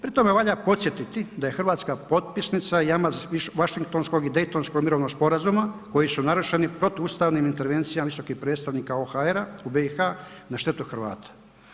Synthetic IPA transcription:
pɾit̪o̞me̞ʋaʎapo̞t̪sjet̪it̪id̪ajexr̩ʋaːt̪skapo̞t̪̚pisnit̪sajamaziʋaʃiŋk̚t̪o̞nskoɡid̪e̞jt̪o̞nsko̞ɡmiɾo̞ʋnoɡspo̞ɾazumako̞jisunaɾuʃenipɾo̞t̪iuːst̪aːʋniːmint̪e̞ɾʋe̞nt̪sijamaʋiso̞kixpɾe̞ːt̪st̪aʋniːkaoxaeɾaubeixanaʃt̪e̞t̪uxr̩ʋa̰ːt̪ḁ

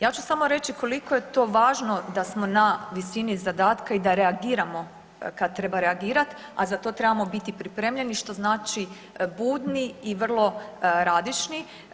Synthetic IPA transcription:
jaːt͡ʃusamo̞ɾe̞t͡ʃikʰo̞likoje̞t̪o̞ːʋaːʒno̞d̪asmo̞naʋisinizad̪aːt̪kaid̪aɾe̞aɡiːɾamo̞ | kad̪̚t̪ɾe̞baɾeaɡiːɾat̪ | a̰zat̪o̞t̪ɾe̞bamo̞bit̪ipɾipɾeːmʎe̞niʃt̪o̞znaːt͡ʃi | buːd̪niːʋr̩lˠo̞ɾaːd̪it͡ʃni

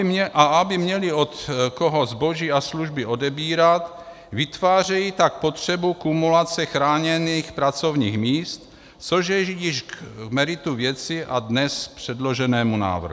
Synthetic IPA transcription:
ʔaʔabɪmɲɛlɪo̞t̪koɦo̞zbo̞ʒiːasluʒbɪʔo̞dɛbiːɾat̪ | vɪt̪vaːr̝ɛjit̪ak̚po̞t̪r̥ɛbukumulat͡sɛxɾaːɲɛniːxpɾat͡so̞vɲiːxmiːst̪ | t͡so̞ʒjɛʒijɪʃmɛɾɪt̪uvjɛt͡sɪʔadnɛspr̝̥ɛdlo̞ʒɛnɛːmuna̰ːvr̩ɦu

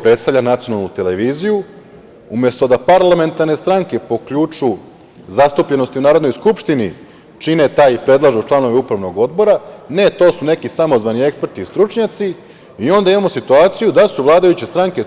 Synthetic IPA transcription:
pɾe̞t̪st̪aʋʎanat̪sio̞nalˠnut̪eleʋiːziju | umje̞st̪o̞d̪apaɾlˠame̞nt̪aɾne̞st̪ɾaŋke̞po̞kʎut͡ʂu | zast̪upʎe̞nost̪iunaːɾod̪no̞jskupʃt̪ini | t͡ʃine̞t̪aːjipɾe̞d̪lˠaʒot͡ʃlˠano̞ʋeupɾaʋno̞ɡo̞d̪bo̞ɾane̞t̪o̞ːsune̞kisamo̞zʋaniekspeɾt̪iːst̪ɾut͡ʃɲat̪si | io̞nd̪aimamo̞sit̪uaːt̪sijud̪asuʋlˠaːd̪ajut͡ɕe̞st̪ɾaŋke̞

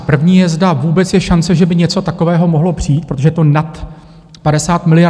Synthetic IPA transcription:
pr̩vɲiːjɛzdavuːbɛt͡sjɛʃant͡sɛʒɛbɪɲɛt͡so̞t̪ako̞vɛːɦo̞mo̞ɦlo̞pr̝̥ijːt̪pɾot̪oʒɛt̪o̞nat̪ | padɛsaːt̪mɪlɪja

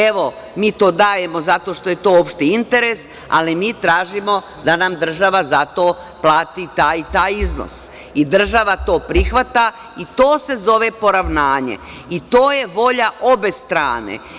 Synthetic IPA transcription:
eʋo̞ | miːt̪o̞ːd̪aːje̞mo̞zat̪o̞ʃt̪o̞je̞t̪o̞ːopʃt̪eint̪eɾes | a̰limiːt̪ɾaːʒimo̞ | d̪anamd̪r̩ʒaʋazat̪o̞ː | plˠaːt̪it̪aːjt̪aːjizno̰s | id̪r̩ʒaʋat̪o̞ːpɾixʋat̪a | it̪oːse̞zo̞ʋe̞po̞ɾaʋnaːɲḛ | it̪oːje̞ʋo̞ʎaʔo̞be̞st̪ɾa̰ːnḛ

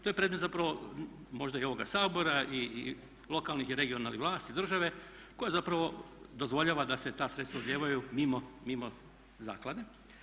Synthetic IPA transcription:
t̪ojepɾed̪met̪zapɾaʋo̞mo̞ʒd̪aio̞ʋo̞ɡasaːbo̞ɾaʔi | lo̞kalnixiɾe̞ɡio̞naːliʋlˠaːst̪id̪r̩ʒaʋe̞ | ko̞jazapɾaʋo̞ | d̪o̞zʋo̞ʎaːʋad̪ase̞t̪aːsɾet̪st̪vaod̪ljeːʋajumimomimo | za̰ːklad̪e

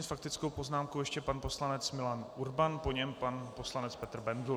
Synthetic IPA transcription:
ɛfak̚t̪ɪt͡skowpo̞znaːmkowjɛʃcɛpanpo̞slanɛt͡smɪlanuɾbanpo̞ɲɛmpanpo̞slanɛt͡spɛt̪r̩bɛndlu

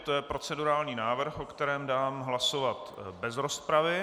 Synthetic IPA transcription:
t̪ojɛpɾo̞t͡sɛduɾaːlɲiːnaːvr̩xʔo̞kt̪ɛɾɛːmdaːmɦlasovat̪bɛzɾo̞spɾavɪ

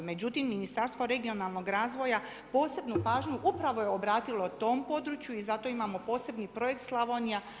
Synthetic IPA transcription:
me̞d͡ʑut̪imːinist̪aɾst̪ʋo̞ɾe̞ɡio̞nalˠno̞ɡɾaːzʋo̞ja | po̞ːse̞bnupaːʒɲuʔupɾaʋoje̞obɾaːt̪ilo̞t̪o̞ːmpo̞d̪ɾut͡ʃjuizat̪o̞imamo̞po̞ːse̞bnipɾo̞je̞kt̪slˠaʋonia

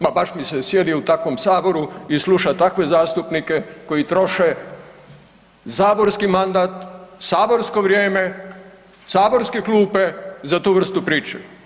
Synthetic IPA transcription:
pabaʃmisesje̞d̪iut̪akʋo̞msaːbo̞ɾuislˠuʃat̪akʋe̞zaːst̪upnike̞ko̞it̪ɾo̞ʃe | zaːbo̞ɾskimand̪at̪saːbo̞ɾsko̞ʋɾjeːme̞ | saːbo̞ɾskeklˠuːpe̞zat̪uːʋr̩st̪upɾiːt͡ʃu

